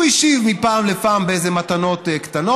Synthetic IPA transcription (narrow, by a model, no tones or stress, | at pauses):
iʃivmipaːmlepaːmbeejzemat̪ano̞t̪ekt̪ano